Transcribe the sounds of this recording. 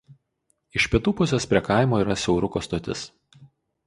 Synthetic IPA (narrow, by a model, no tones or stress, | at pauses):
ɪʃʲpʲɪɛt̪uːpʊsʲɛspʲɾʲiɛkɑˑɪmoːiːˑɾɐsʲɛʊɾʊkoːst̪oːt̪ʲɪs